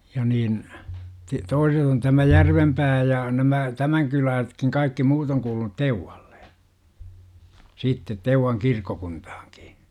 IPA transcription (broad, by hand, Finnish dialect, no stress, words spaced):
jɑ niːn ti toiset on tæmæ jærʋempæː jɑ næmæ tæmæŋ kylæːsĕtkiŋ kɑikːi muːt oŋ kuːlunut teuwɑl̥ːe̥ siːtːet teuwɑŋ kirkːokunthɑ̥ːki̥